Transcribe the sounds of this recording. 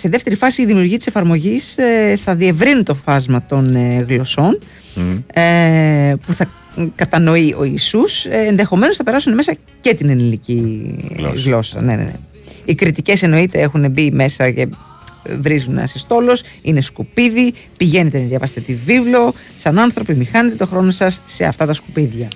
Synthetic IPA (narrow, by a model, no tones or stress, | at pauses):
siðeft̪eɾifɐsiːðimiuɾʝiɐt̪isefɐɾmo̞ʝiseθɐðie̞vɾinut̪o̞fɐzmɐt̪o̞nɣlo̞so̞n | e | puθɐ | kɐt̪ɐno̞iʔo̞̰isusenðe̞xo̞me̞no̞sθɐpe̞ɾɐsuneme̞sɐ | ce̞t̪inenilicḭ | ɣlo̞sɐ̰nenḛnḛ | ikɾit̪ice̞se̞no̞it̪e̞e̞xune̞bime̞sɐce̞ | vɾizunɐ̰sest̪o̞lo̞s | ine̞skupiði | piʝe̞ne̞t̪enðjɐvɐst̪et̪ivivlo̞ | sɐnɐnθɾo̞pimixɐnet̪e̞t̪o̞xɾo̞no̞sɐsːe̞ɐ̰ft̪ɐt̪ɐskupiðʝɐ